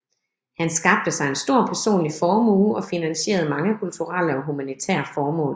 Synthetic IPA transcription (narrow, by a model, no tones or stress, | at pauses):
hænsɡ̥ɑ̈b̥̚d̥əsɑ̈ɪensd̥o̝ɐ̰pʰæɐso̝̰ːnlifɒːmuːɒ̽finænɕe̝̰ːɐð̞̩ˠmɑ̈ŋəkʰult͡sʰuʁɑləɒ̽ɦumænit͡sʰɛ̰ːɐfɒːmɔ̰̽ːl